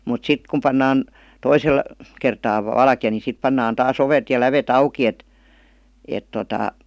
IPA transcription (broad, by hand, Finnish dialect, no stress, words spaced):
mut sit kum pɑnːɑːn toisel kertɑː ʋɑlkĭjɑ ni sip pɑnːɑːn tɑːs oʋet jɑ læʋet ɑukˑi et et totɑˑ